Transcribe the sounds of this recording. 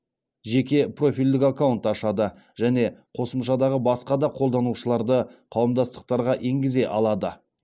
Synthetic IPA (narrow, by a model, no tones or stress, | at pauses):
ʒe̞kʲe̞pro̞fijld̪ɪkakawnt̪ɑʃɑd̪ə | ʒ̥æne̞qʰo̞səmʃɑd̪ɑʁəbɑsqɑd̪ɑqʰolˠd̪ɑnuʃəlˠɑɾd̪əqʰɑwəmd̪ɑst̪ə̥q̚t̪ɑɾʁɑʔe̞ŋɡʲɪze̞ʔɑlˠɑd̪ə